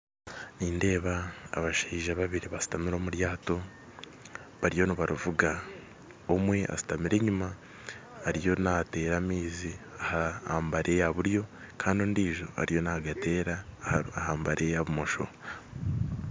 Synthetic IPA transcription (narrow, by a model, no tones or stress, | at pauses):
niːnde̞ːβa̰ːβaʃiːʒaβaβiɾiβasi̥tamiɾo̞ːmuɾjaːto̞ | βaɾijo̞niβaɾuvuɡa | omwe̞ʔa̰si̥tamiɾe̞ɲumaː | ɾijo̞nate̞ːɾaːmiːzi | ahaaːmbaɾʔe̞jaβuɾjo̞ | kʰaːndoːndiːʒo̞a̰ɾijo̞naaɡate̞ːɾaahaːmbaɾʔe̞jaβumo̞ʃo̞̰